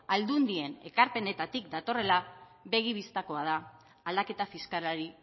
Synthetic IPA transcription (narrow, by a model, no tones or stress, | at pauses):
ald̪und̪ie̞ne̞̰kaɾpe̞ne̞t̪at̪ik̚d̪at̪o̞re̞laβe̞ɣ̞iβ̞ist̪ako̞að̞aː | ld̪ake̞t̪afiskalaɾi